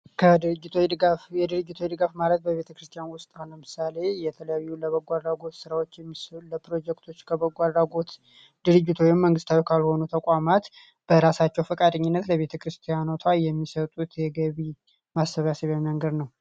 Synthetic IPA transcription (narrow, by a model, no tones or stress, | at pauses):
kʰəɨɨd͡ʒːɪt̪ʰod̪ɨɡafjɛd̪ɨɾɨd͡ʒːɪt̪ʰojd̪ɨɡafmalət̪̚bəβe̞t̪ʰəkɾɨst̪ʰjanwʊst̪ʼnawnləmɨsale̞jɛt̪ʰələjajːuləβəɡʷad̪ɾaɡo̞t̪sɨɾawot͡ʃːɛmsləpɾo̞d͡ʒɛkt̪ʰo̞t͡ʃːkʰəβəɡʷad̪ɾaɡo̞t̪ | d̪ɨɾɨd͡ʒːɪt̪ʰowɪmːəŋɡɨst̪ʰawikʰalho̞nut̪ʰəkʷʼamat̪ | b̥əɾasat͡ʃːɛwfəkʼad̪əɲːɪnːət̪ləβe̞t̪ʰəkɾɨst̪ʰijanot̪ʰajɛmːisət̪ʼut̪jɛɡəβi | masːəβasəβaməŋɡəd̪nəw